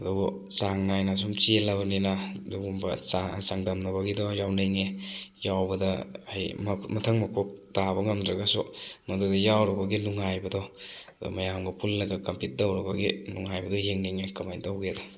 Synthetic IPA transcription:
ɐduɡɔ | saŋnajnas̬umt͡ʃilːabɐninaduɡumbɐ̰asaŋdamnɐbaɡidɔjawnejŋejawbɐdɐhajmmɐtʰɐŋmɐkʰop̚tabɐŋɐmdɾɐɡasumadodɐjawɾɐbaɡinuŋajbɐdɔdṵmajamɡɐpʰulːɐɡakɐmpit̚dowɾɐbaɡinuŋajbɐdɔjeŋneŋekamajdawɡedɔ

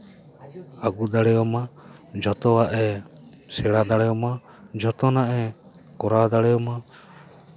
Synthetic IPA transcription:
aɡud̪aɽɛjɔmad͡ʒɔt̪ɔwaʔɛsɛɽad̪aɽɛjɔma | d͡ʒɔt̪ɔnaʔɛ | kɔɾad̪aɽɛjɔma

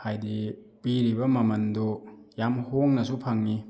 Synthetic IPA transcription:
hajdipiɾibɐmɐmɐndojamhoŋnɐsupʰaŋni

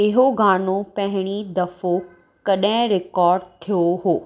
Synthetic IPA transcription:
ɪɦoɡaːnopɐ̃ɦɪɽ̃id̪ɐfo | kɐɗɦɪ̃ɾɪkɔːɾɖt̪ʰijoɦoː

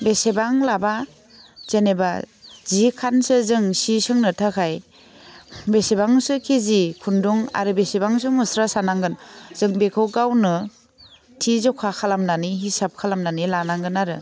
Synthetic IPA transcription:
besebaŋlaba | z̥eneba̰zikʰansɯzɯŋsisɯŋnɯtʰakʰaj | besebaŋsɯkʰezikʰunduŋa̰ɾɯbesebaŋs̬ɯŋmɯsɾasanaŋɡɯnzɯŋbekʰɯwɡawnɯ | tʰizɔkʰakʰalamnaniɦisap̚kʰalamnanilanaŋɡɯnaɾɯ

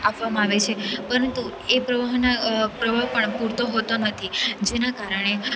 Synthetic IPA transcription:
apʋamãaʋet͡ʃʰepəɾənt̪uepɾəʋaɦnapɾəʋaɦpəɳpuɾt̪oɦot̪onət̪ʰid͡ʒenakaɾəɳ̃e

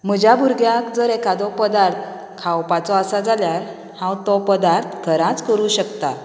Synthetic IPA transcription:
m̤əd͡ʑabʱuɾɡjakd͡zəɾekad̪ɔpəd̪aɾt̪ʰ | kʰawpat͡sɔasad͡zaljaɾ | hãwt̪ɔpəd̪aɾt̪ʰɡʱəɾãt͡skəɾuɕəkt̪a

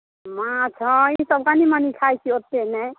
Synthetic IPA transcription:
mãt͡ʃʰɔ̃isəbkanimanikʰajt͡ʃʰiot̪ːenɛ

